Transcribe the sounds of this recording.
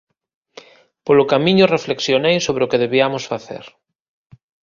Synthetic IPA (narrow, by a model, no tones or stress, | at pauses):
polokamĩɲorefleksjonejsoβɾeokeðeβiamosfaθḛɾ